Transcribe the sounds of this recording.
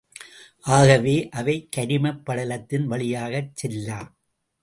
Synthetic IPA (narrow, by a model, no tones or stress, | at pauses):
ʔaːɣɐʋeːʔɐʋɐɪkːɐɾɪmɐpːɐɽɐlɐt̪ːɪnʋɐɭɪjaːɣɐt͡ʃːɛlːaː